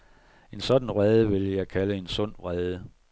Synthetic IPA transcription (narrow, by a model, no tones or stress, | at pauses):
e̝nsɒ̽d̥n̩ʁɛð̞ˠəʋe̝ljɑ̈ɪkʰæləe̝nsɔ̽n̰ʁɛːð̞ˠə